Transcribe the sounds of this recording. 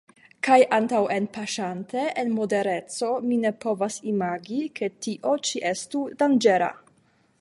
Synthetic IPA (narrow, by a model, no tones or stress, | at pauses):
kajʔantawe̞npaʃante̞ʔenmo̞de̞ɾe̞t͡so̞mine̞po̞vasimaɡike̞tiʔo̞t͡ʃiʔe̞studand͡ʒe̞ɾa̰